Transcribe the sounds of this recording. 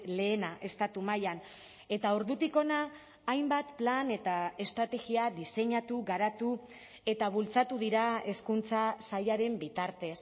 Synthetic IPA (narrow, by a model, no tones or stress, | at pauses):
le̞ːnaʔe̞st̪at̪umajan | e̞t̪aoɾðut̪iko̞naː | jmbat̪plane̞t̪ae̞st̪ɾat̪e̞ɣiaðise̞ɲat̪uɣaɾat̪u | e̞t̪aβult͡sat̪uðiɾae̞skunt͡sasajaɾe̞mbit̪aɾt̪e̞s